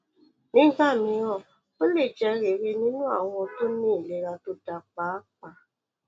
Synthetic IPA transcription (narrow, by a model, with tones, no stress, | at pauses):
nĩ˦ɡa˦˨mĩ˧ɔ˦˨ | o˦le˦˨d͡ʒɛ˧ɾe˨ɾe˧nĩ˦nũ˦a̰˦˨wɔ̃˧to˦ĩː˦˨le˨ɾa˧to˦da˨k͡pa˨˦k͡pa˧